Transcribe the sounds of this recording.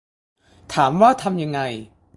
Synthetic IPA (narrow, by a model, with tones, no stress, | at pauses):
t̪ʰaː˩˦mwaː˥˩t̪ʰa˧mja˧ŋːa˧j